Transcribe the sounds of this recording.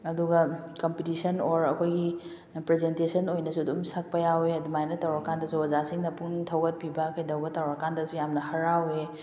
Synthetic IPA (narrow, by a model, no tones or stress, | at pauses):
ɐduɡɐkompitisɐnoɾɐkʰojɡi | pɾezentesɐnojnɐsudumsak̚pɐjaweɐdumajnɐtɐwɾakandɐsuwɐzasiŋnɐpuŋtʰɐwɡɐt̚pibɐkʰɐjdɐwbɐtawɾɐkandɐsujamnɐhɐɾawe